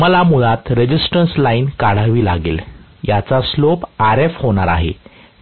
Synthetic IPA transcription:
məlamuɭat̪ɾed͡ʑisʈənslainkaɽ̤aʋiːlaɡḛl | jat͡saslopaɾefhoɽ̃aɾaɦḛ

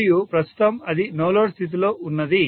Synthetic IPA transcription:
jupɾɐst̪ʰu̥t̪ɐmɐd̪inoːloːɽst̪ʰit̪̬ilo̞ːʔunːɐd̪i

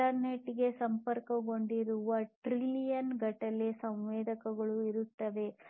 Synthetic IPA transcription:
ɐɾneʈːɡe̞sɐmpɐɾkɐɡo̞ɳɖiɾuʋɐʈɾilijɐnɡɐʈɐlesɐmʋɛːd̪ʱɐkɐɡɐɭuiɾut̪ːɐd̪e̞

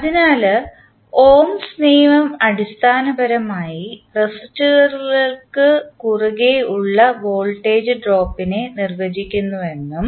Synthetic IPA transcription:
ɐðinaːlɨ | o̞ːmsniːʋɐmɐɽist̪ʰaːnɐbɐɾɐmaːjiresitːuɣɐrɣɐlkɨkuruɣeuɭːɐʋo̞ːlʈːe̞ːd͡ʑɨɖroːpːine̞nirʋɐd͡ʑikʲːunːuʋe̞nːum

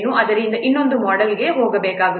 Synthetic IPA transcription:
nːũʔɐðɐɾɪnd̪ɐʔɪnːɔnd̪ɯmɔːɽɐlɣeːɦoːɣɐʋeːkːaːɣɐ

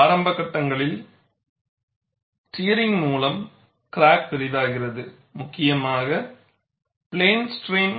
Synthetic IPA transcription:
aːɾɐmbɐkːɐʈːɐŋɡɐɭɪl | ʈijɐɾɪŋmuːlɐm | kɪɾaːk̚pɛɾɪðaːɣɪrɐðɯ | mʊkːɪjɐmaːɣɐ | pɪɭeːnsʈɾeːŋ

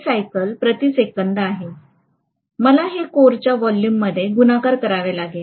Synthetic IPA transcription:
sajkəlpɾət̪isekənd̪əaɦe | məlaɦekoɾt͡ɕjaʋɔljumːəd̪ʱːjeɡunakaɾkəɾaʋelaɡe

